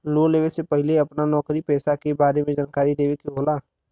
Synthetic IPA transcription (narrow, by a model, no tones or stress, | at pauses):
loːleːʋesepɛɦɪleɐpnanɔːkɾipɛːsakebaːɾemẽd͡ʒaːnkaːɾid̪eːʋekiɦoːlaː